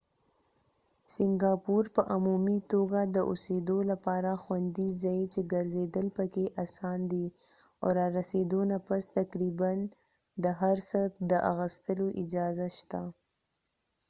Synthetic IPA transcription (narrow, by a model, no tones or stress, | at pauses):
sɪŋɡɑpuɾpəʔʊmumit̪oɡad̪əʔosed̪olapɑɾaxwand̪izɑjet͡ʃeɡəɾzed̪əlpəkeʔasɑnd̪i | a̰ɾɑɾased̪onapast̪akɾiban | d̪əɦaɾsəd̪əʔa̰ɣəst̪əloʔɪd͡ʒɑzaʃt̪a